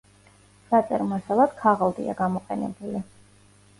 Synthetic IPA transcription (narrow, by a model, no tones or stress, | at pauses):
sat̪sʼɛɾmɔsalˠad̪̥kʰaʁalˠd̪ḭa̰ɡamɔqʼɛnɛ̰buli